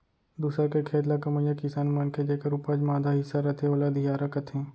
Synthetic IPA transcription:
d̪usəɾkekʰeːd̪lakɐmə̃jakɪsaːnmankʰed͡ʒeːkəɾupad͡ʒmaːd̪ʱaɦɪsːaɾɐt̪ʰẽoːlad̪ʱijaːɾakɐt̪ʰẽː

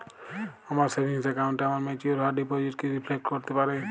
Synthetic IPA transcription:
amaɾsebʱinsɛkaʊ̃ɳʈeamaɾmẽt͡ʃioɾɦaɾɖipod͡ʒiʈkeɾipʰlek̚ʈkɔɾt̪epaɾɛ

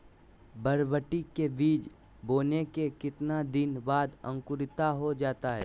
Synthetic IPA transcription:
bəɾbəʈikebiːd͡ʒ | boːnekekɪt̪nad̪ɪnbaːd̪ə̰̃ŋkʊɾɪt̪aɦod͡ʒaːt̪aɦɛ̰ː

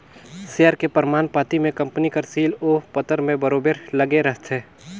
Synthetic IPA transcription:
sijaːɾkepəɾmaːnpaːt̪imẽkɐ̃mpnikəɾsiːloːpət̪əɾmẽbɐɾoːbeɾlɐɡeɾəɦt̪ʰeː

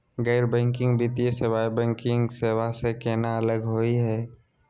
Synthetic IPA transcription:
ɡɛɪɾbɛ̃ːŋkɪ̃ŋɡbit̪iesɪwaːibɛ̃ːŋkɪ̃ŋɡseːʋasekeːnaələɡɦoːiɦɛː

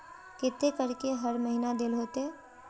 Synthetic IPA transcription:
kɪt̪ːekɐɾkeɦɐɾmɐɦinad̪ɪːlɦoːt̪eɛː

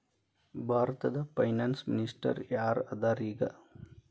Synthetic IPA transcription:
bʱaːɾt̪ɐd̪ɐpɐjnansminisʈɐ̰ɾjaːɾɐd̪aɾiɡɐ̰

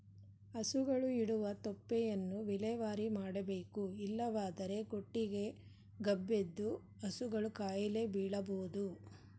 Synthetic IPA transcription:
ɐsuɡɐɭuiɽuʋɐt̪ɔpːɛjɐnːuʋilɛːʋaːɾimaːɽɐbe̞ːkuilːɐʋaːd̪ɐɾe̞ɡoʈːiɡe̞ | ɡɐbːed̪ːu | ɐsuɡɐɭukaːjɐle̞biːɽɐboːud̪u

